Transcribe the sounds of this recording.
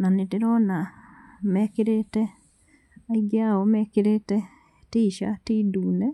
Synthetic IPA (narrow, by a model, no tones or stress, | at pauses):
naneteɾɔnamɛkeɾetɛ | aiɡeaɔmɛːkeɾetɛ | tiːʃa̰tiːduːnɛ